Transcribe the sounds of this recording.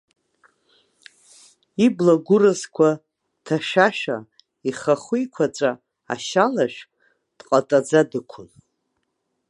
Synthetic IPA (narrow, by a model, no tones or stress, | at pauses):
iblaɡʷʊrɨzkʷʰa | tʰaʃaʃᶣa | iχaχʷujkʷʰat͡ʃʷʼa | a̰ʃalaʃᶣʼ | d̥qʼatʼad͡zadɨkʷʰʊn